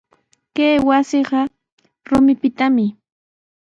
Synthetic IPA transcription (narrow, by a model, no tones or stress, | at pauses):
keːwasɪɢɑ | ɾʊmɪpɪt̪amɪ